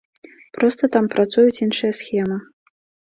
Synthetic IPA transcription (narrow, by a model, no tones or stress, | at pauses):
pɾɔst̪ɐt̪ampɾat̪sujut͡sʲinʂɨjɐsxʲɛmɨ